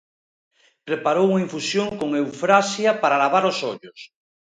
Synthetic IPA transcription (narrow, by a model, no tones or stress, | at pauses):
pɾepaɾowuŋaiɱfusjoŋkoŋewfɾasjapaɾalaβaɾosoʎos